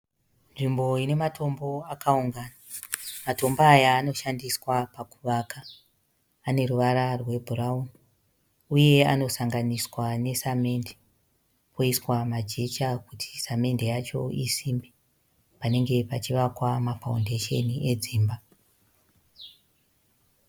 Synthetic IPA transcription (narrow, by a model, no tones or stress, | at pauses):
nʐimbo̞ine̞matʰo̞mbo̞akauŋɡaːnamato̞mbaːjaːno̞ʃandiswapakuʋakaː | ne̞ruʋaɾarwe̞bʱurauni | uje̞a̰no̞saŋɡaniswane̞same̞nde | po̞iswamad͡ʒe̞t͡ʃakutʰi̥same̞ndejat͡ʃo̞̰isimbe | pane̞ŋɡe̞pat͡ʃiʋakwamafaunde̞ʃe̞nie̞d͡ziːmba